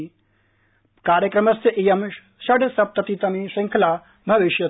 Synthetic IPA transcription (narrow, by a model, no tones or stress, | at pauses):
kaːɾjɐkɾɐmɐst̪ɐʔijɐm | ʃɐɖsɐp̚t̪ɐt̪it̪ɐmiʂiŋkʰlaː | bʱɐʋiʃjɐ